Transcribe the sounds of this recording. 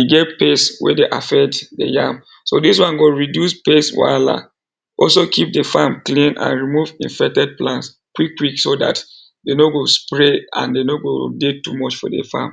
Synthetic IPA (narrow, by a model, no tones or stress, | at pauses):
iɡɛtpeswɛ̰deʔafɛktdḛjãm | sodiswɔ̃nɡoɹidjuspeswa̰la̰ | ʔɔlsokʰip̚dəfamklĩnã̰nɹimuvḭ̃nfɛk̚tɛd̚plãns | kwikːwiksoda̰t | denoɡospɹeã̰ndenoɡodetumɔt͡ʃfɔ̰də̰fa̰m